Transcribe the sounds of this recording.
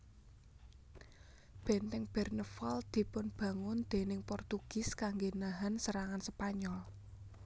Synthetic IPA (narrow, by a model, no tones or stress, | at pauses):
b̥ɛ̤nt̪ɛŋb̥ɛrnəfɔld̪̥i̤pʊnb̥ä̤ŋʊnd̪̥e̤nɪŋpɔrt̪uɡ̥ɪ̤skaŋɡenaɦansəɾaŋansəpaɲɔl